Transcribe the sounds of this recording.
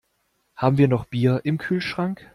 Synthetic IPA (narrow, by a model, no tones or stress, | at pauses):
haːbm̩viːɐnɔχb̥iːɐʔɪmkʰyːlʃʁ̥aŋk